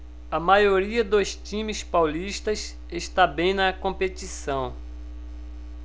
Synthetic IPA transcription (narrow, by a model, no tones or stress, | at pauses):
ɐmajoɾiɐd̪ost͡ʃĩmɪspawliʃt̪ɐs | eʃt̪abẽj̃nɐkõpet̪isɐ̃w̃